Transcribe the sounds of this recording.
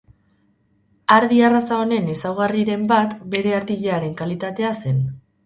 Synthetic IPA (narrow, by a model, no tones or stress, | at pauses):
aɾðiarasao̞ne̞nesawɣ̞ariɾe̞mbat̪be̞ɾe̞aɾt̪iʎe̞aɾe̞ŋkalit̪at̪e̞ase̞n